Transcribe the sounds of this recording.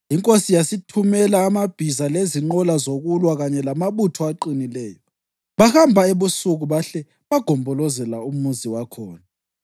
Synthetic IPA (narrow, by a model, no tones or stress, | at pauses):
iŋkʼosijasitʰumɛlaːmab̥ʱizaleziŋ͡ǃɔlazoɣulwaɣaɲɛlamaβutʰɔaǃinilɛːjɔ | βahambʱaeβusuɣuβaɬɛ | βaɡ̥ʱɔmbʱɔlɔzɛlaumuziwakʰɔːna